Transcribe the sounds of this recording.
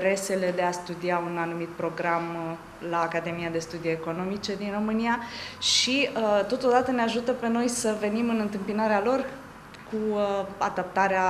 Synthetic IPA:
ɾe̞se̞le̞d̪e̞ast̪ud̪iaunanumit̪̚pɾo̞ɡɾam | laːkad̪e̞mijad̪e̞st̪ud̪ieko̞no̞mit͡ʃe̞d̪inro̞mɨnijaʃiət̪o̞t̪o̞d̪at̪əneaʒut̪əpe̞no̞jsəve̞nimɨnɨnt̪ɨmpinaɾealo̞r | kua̰d̪ap̚t̪aɾea

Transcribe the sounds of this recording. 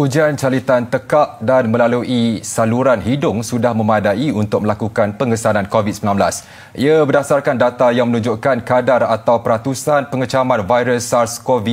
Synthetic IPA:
ud͡ʒiant͡ʃalit̪ant̪əkaʔ̚danmə̃laluʔisaluɾanɦidʊŋsudahmə̃madaiunt̪ʊk̚mə̃lakukanpəŋəsanãnkovit̪səmilãmblas | ʔḭabədasarkandat̪ajaŋmə̃nũɲd͡ʒoʔkankadarat̪awpəɾat̪usanpəŋət͡ʃamãnvajɾəsarskovi

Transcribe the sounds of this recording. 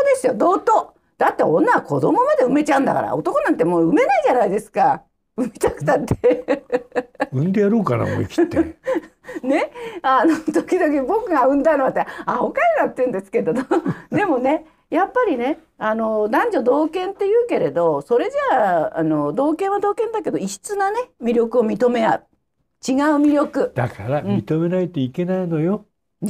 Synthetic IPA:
d̪e̞sɨjo̞d̪o̞ːt̪o̞ː | d̪̥at̪ːe̞õ̞̰nːaakʰo̞̰d̪o̞mo̞mad̪e̞ɯ̟me̞t͡ɕaɯ̟̃nd̪a̰ka̰ɾa̰o̞t̪o̞ko̞nãnt̪̬ːe̞moːɯ̟me̞naiʑanaid̪e̞sɨ̥ka | ɯ̟mit̪akɯ̟̥t̪at̪ʰːe | ɯ̟̃nd̪ejaɾoːka̰na̰mo̰ikʲi̥t̪e | ne̞anot̪okʲid̪o̞kʲibo̞kɯ̟ɡaɯ̟̃nd̪anoβat̪ːeaokaɾiɡ̪at̪ːeɯ̃nd̪e̞sɨ̥ke̞d̪od̪od̪e̞mo̞ne̞ | japːaɾʲine̞ | ano̞d̪ãɲ̟d͡ʑod̪o̞ːkẽ̞nt̪ːe̞jɯ̟ːke̞ɾe̞d̪o̞so̞ɾe̞d͡ʑaa̰no̞d̪o̞ːkẽ̞ɰ̃βad̪o̞ːkẽ̞nd̪ake̞d̪o̞iɕi̥t͡sɨnane̞mʲiɾʲo̞kɯ̟o̞mʲit̪o̞me̞a̰ɯ | t͡ɕiɡaɯ̟mʲiɾʲo̞kɯ̟d̪̥akaɾãm̃ːʲit̪o̞me̞nait̪oike̞naino̞jo̞

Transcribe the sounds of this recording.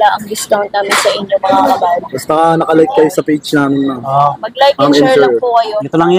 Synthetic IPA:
laʔɐŋlɪst̪ownt̪naːmɪnsɐʔɪɲːomɐkaɐbaːlɐbɐst̪ɐɐnɐkɐlajk̚kːɐjosɐpejt͡ʃnaːmɪnːɐʔomɐɡ̚lajk̚ŋɛnɛɹpʊkɐjoɛt̪olɐŋj

